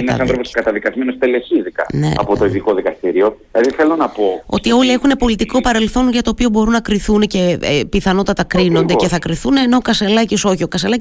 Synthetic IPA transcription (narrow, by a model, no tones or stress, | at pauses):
inɐsɐ̃nθɾoposkɐt̪ɐðikɐzme̞nost̪eleçizikɐ̰nḛɐ̰po̞t̪o̞iðiko̞ðikɐst̪iɾio̞ | lɐðiθelonɐpo̞o̞̰t̪io̞lie̞xune̞po̞lit̪iko̞pɐɾe̞lθo̞nʝɐt̪oːpio̞bo̞ɾunɐkɾiθunece̞piθɐno̞t̪ɐt̪ɐkɾinod̪ece̞θɐkɾiθuneːno̞okɐse̞lɐciso̞çio̞kɐselɐc